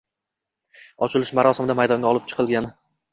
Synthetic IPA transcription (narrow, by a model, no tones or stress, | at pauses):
ɒt͡ʃʰɪlɪʃmaɾɒsɪmɪd̪amajd̪ɒŋɡʲaɒlˠɪp̚t͡ʃʰɨ̥qʰɨlˠɡʲanɪ